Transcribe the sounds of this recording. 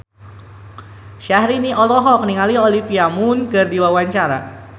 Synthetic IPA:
ʃahɾiniʔɔlɔɦɔk̚niŋaliolifiamunkɨrdiwawaɲt͡ʃaɾa̰

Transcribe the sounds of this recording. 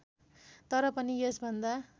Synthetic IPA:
t̪ʌɾʌpʌniesbʱʌnd̪a

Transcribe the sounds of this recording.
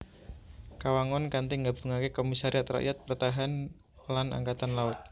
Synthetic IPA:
kawaŋɔnkant̪iŋɡabṳŋakekomisaɾiat̪ra̰ʔjat̪̚pərt̪aɦan | lana̰ŋkat̪anlaʊt̪̚

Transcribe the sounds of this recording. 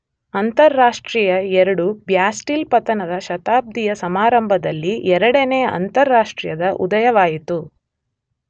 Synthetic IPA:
ɐnt̪ɐɾːaːʂʈɾiːjɐɛɾɐɽubjaːsʈilpɐt̪ɐnɐd̪ɐʃɐt̪aːb̚d̪ʱijɐsɐmaːɾɐmbʱɐd̪ɐlːiɛɾɐɽɐneːɐʔɐ̰nt̪ɐɾːaːʂʈɾijɐd̪ɐʔṵd̪ɐjɐʋaːjit̪u

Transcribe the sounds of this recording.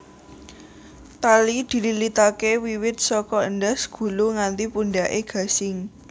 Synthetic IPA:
t̪alid̪̥i̤lilit̪akewiwɪt̪̚sɔkɔəndəsɡ̥ṳluŋant̪ipuɳɖaʔeɡ̥ä̤sɪŋ

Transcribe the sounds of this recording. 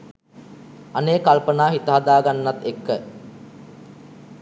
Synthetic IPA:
aneːkalpənaːɦit̪əɦad̪aːɡanːat̪ekːə

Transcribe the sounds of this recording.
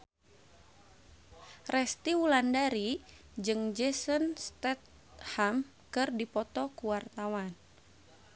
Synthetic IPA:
rɛst̪iwulandaɾi | d͡ʒɨŋd͡ʒɛsənst̪ɛt̪̚ | ham | kɨrdipɔt̪ɔkuwart̪awan

